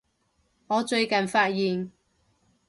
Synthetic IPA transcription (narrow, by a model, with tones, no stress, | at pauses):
ŋɔː˨˧t͡ʃɵ˧ɥkɐ˨nfaː˧t̚jiː˨n